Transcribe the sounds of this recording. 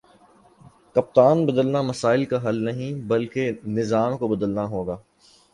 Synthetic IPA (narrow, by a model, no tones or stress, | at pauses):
kɐp̚t̪aːnbɐd̪əlnamɐsaːɪlkaɦɐlnɐɦĩbɐlkenɪzaːmkobɐd̪əlnaɦoːɡaː